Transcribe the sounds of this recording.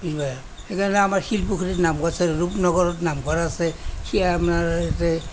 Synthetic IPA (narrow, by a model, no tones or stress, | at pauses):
bizbaj | ekʰanɛamaɹxilpukʰiɾitnamkɔsɛɹupnɔɡɔɹɔtnamkɔɹaːsɛkʰijaamnaɹetɛ